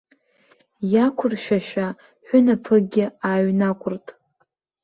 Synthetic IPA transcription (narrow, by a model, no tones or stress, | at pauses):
jakʷʰʊrʃᶣaʃᶣa | ħʷᶣʊnapʰɨɡʲɪaːɥnakʷʰʊrtʼ